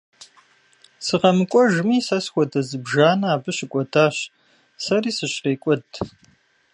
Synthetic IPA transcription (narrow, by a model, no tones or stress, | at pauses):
sɨʁɐmɨkʷʼɔʒɨmiːsɐsxʷɔdɐzɨbʒaːnɐaːbɨɕɪkʷʼɔdʰaːɕ | sɐriːsɨɕqeːkʷʼɔd